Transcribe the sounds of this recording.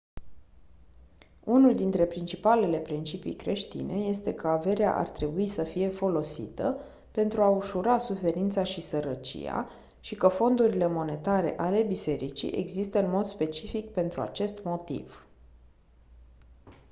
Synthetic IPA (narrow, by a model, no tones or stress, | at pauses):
unuld̪int̪ɾe̞pɾint͡ʃipale̞le̞pɾint͡ʃipḭjkɾe̞ʃt̪ḭne̞je̞st̪e̞kəave̞ɾea̰ʔa̰rt̪ɾe̞buisəfije̞fo̞lo̞sḭt̪ə | pe̞nt̪ɾuauʃuɾasufe̞ɾint̪saʃisəɾət͡ʃḭja̰ | ʃikəfo̞nd̪uɾile̞mo̞ne̞t̪aɾe̞̰ʔale̞bise̞ɾit͡ʃḭʔe̞̰ɡzist̪əɨnmo̞d̪spe̞t͡ʃifik̚pe̞nt̪ɾua̰t͡ʃe̞st̪mo̞t̪ḭv̥